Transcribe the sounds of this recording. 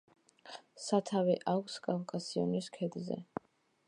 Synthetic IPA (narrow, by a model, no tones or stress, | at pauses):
sat̪ʰavɛʔakʰskʼavkʼasiɔniskʰɛd̪zɛ̰